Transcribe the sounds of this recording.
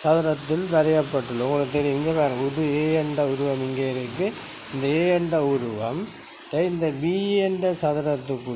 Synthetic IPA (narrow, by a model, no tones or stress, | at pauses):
sɐðɐɾɐt̪ːɪlʋɐɾɐjɐpːɐʈːɯlːɐʊŋɡɐɭɯkːɯt̪eɾijʊmɪnɡ̪ɐpaːɾɯ̃ʊðɯeːɛɳɖɐʊɾɯʋɐmɪŋɡeːɪɾɯkːɯ | ɪnd̪ɐeːɛɳɖɐʊɾɯʋɐm | t̪ɐɪnd̪ɐbiːɛɳɖɐsɐðɐɾɐt̪ːɯkːɯ